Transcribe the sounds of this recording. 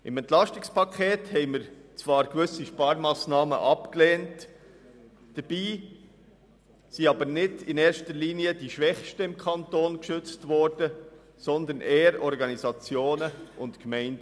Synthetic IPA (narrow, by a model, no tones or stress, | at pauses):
ʔɪmɛnt̪lɑʃtɪkspɑkʰeːthɛɪmɪɾt͡svɑːɾkʋʏsiʃpɑːɾmɑːsnɑːmə̰ʔɑpklɛːnt | d̥əɾbiː | siɑbəɾnɪdɪnɛːɾʃtəɾliːniədiʃʋɛχʃtəɪmkʰɑntoːnkʃʏt͡stvɔɾd̥ə | sɔnd̪ənʔɛːəɾɔɾɡɑnizɑt͡sjoːnəʔʊntkmɛɪndə